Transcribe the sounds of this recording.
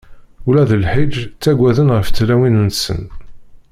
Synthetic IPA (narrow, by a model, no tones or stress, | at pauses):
ulæðəlħid͡ʒt͡sːæɡʷæðənʁəft͡sːlæwinənsə̰n